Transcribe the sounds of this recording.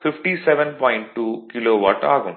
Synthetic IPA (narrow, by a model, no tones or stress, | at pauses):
fɪfʈisɛʋɛnpɔːjɪɳʈ̚ʈːuːkɪloːʋɐʈa̰ːɣɯm